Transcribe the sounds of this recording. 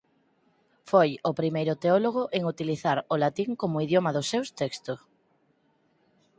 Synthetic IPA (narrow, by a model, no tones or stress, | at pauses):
fojʊpɾimejɾʊt̪eoloɣ̞ʊʔeŋut̪iliθaɾolat̪iŋkomʊiðjomɐðʊsewst̪ekst̪ʊ